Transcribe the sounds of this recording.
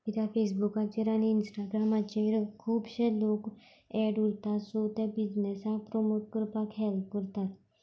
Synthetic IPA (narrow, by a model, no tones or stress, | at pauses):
it̪afesbukat͡ɕeɾaniːnsʈaɡɾamat͡ɕẽɾkʰuːbɕelok | ɛɽult̪at̪sot̪ebid͡ʑnesapɾɔmoʈ̚kəɾpakʰhɛlp̚kəɾt̪at̪